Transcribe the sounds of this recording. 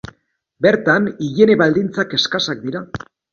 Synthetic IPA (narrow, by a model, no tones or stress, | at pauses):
be̞ɾt̪aniʝe̞neβald̪int͡sake̞skasak̚d̪iɾa